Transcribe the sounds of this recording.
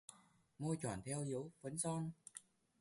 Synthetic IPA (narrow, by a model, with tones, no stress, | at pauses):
mo˧jt͡ɕwa̰ː˧˩nt̪ʰɛ˧wʔi˨˦wvə˨˦nsɔ˧n